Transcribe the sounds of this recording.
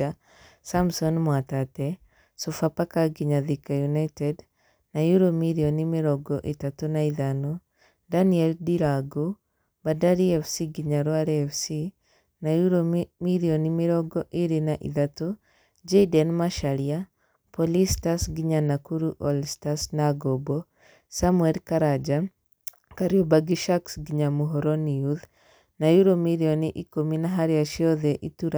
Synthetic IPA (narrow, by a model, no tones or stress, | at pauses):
a | samsɔnmwatatɛ | sofapakaɡiɲaðikajunaitɛd | najuɾomiɾiɔnimeɾɔɡɔʔetatonaiðanɔ | daniɛldiɾaɡo | badaɾiɛfsiɡiɲaɾoaɾɛɛfsi | najuɾomiɾiɔnimeɾɔɡɔʔiɾinaʔḭðato | d͡ʒeidɛnmaʃaɾia | pɔlistasɡiɲanakuɾuʔɔlstasnaɡɔbɔ | samuɛlkaɾad͡ʒa | kaɾjobaɡiʃaksɡiɲamuɦɔɾɔniuð | najuɾomiɾiɔniʔikominaɦaɾjaʃiɔðɛʔituɾa